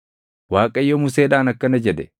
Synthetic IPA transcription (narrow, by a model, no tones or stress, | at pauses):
waːkʼɐjːɔmʊseːᶑaːnɐkːɐnɐd͡ʒɛd̪ɛ